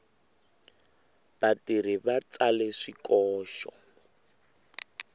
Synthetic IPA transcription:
b̥atiribat͡salɛʂikɔːʃɔ̰

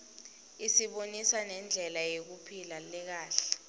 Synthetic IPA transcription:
isiɓonisanɛnd͡ɮʱɛlajek̬upʰilalɛk̬aːɬɛ̥

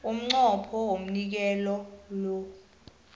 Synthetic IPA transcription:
um̩ŋ͡ǀɔpʰɔwom̩nik̬ɛlɔlɔ

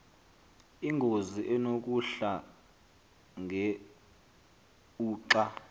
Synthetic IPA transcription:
iŋʱoziʔɛnok̬ʼuɬa | ŋɛ | uːǀa

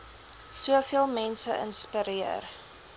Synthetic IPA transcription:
suəfiəlˠmɛnsəʔə̰nspəɾiər

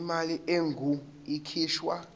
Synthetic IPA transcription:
maliʔeŋɡʱu | ikʰiːʃwa

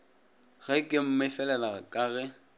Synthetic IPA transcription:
ɣ̥ɛkʼɪm̩mɪfɛlɛlaɣakʼaːɣɛ

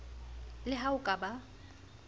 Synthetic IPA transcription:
lɪɦaʊkʼaba

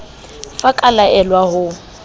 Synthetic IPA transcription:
fakʼalaɛlwahʊ

